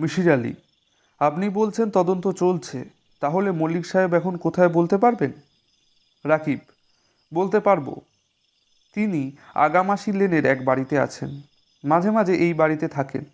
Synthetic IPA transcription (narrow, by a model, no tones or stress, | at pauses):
miʃiɾalḭ | apnibolt͡ɕʰent̪ɔd̪ont̪ot͡ɕolt͡ɕʰe | t̪aɦolemolikʃaɦebɛkʰonkot̪ʰaebolt̪epaɾben | ɾakib̚ | bolt̪epaɾbo̰ | t̪inia̰ɡamaʃileneɾɛkbaɽit̪ea̰t͡ɕʰḛn | mad͡ʑʱemad͡ʑʱeʔejbaɽit̪et̪ʰakḛn